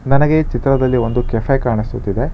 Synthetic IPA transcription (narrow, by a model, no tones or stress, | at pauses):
nɐnɐɡe̞t͡ʃit̪ɾɐd̪ɐlːiʋo̞nd̪ukepʰɐjkaːɳisut̪ːid̪e̞